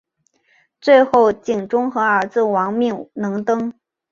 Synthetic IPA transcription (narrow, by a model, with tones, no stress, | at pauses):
t͡swe˥˧ɪxo˥˩ʊt͡ɕi˨˩ŋʈ͡ʂʊ˥ŋxɤ˧˥ə˞˧˥t͡sɹ̩˥˩wɑ˧˥ŋmi˥˩ŋnɤ˧˥ŋt̪ɤ˥ŋ